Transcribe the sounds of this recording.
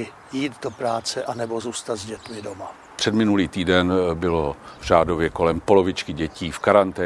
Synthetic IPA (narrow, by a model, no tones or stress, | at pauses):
ɪ | jiːt̪dopɾaːt͡sɛʔanɛbo̞zuːst̪ad̪zɟɛt̪mɪdoma | pr̥ɛdmɪnuliːt̪iːdɛnbɪlovʒ̥aːdo̞vjɛko̞lɛmpo̞lo̞vɪt͡ʃkɪɟɛciːfkaɾant̪ɛː